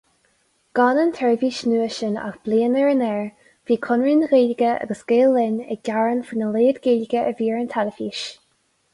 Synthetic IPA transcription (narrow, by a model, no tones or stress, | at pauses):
ɡ̥ɑːnənt̪ʰɛɹviːʃnuːəʃəna̰xb̥leːnəɹənɛɹ | v̥iːkʰʊnɹinɣeːlɪɡəa̰ɡəsɡ̥eːlːɪnə̰ɡ̥aɹənfinəleːd̪ɡeːlɪɡəʔəviːɹənt̪ʰaləfiːʃ